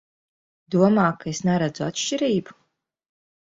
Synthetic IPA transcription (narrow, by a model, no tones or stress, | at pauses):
d̪uɔmaːkʰaesnaɾad̪zua̰t̪ʃt͡ʃiɾiːbu